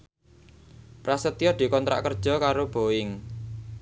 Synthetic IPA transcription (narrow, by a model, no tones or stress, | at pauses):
pɾasət̪ijɔd̪̥i̤kɔnt̪ɾʔa̰ʔkərd̥ʒ̥ɔ̤kaɾob̥o̤ɪŋ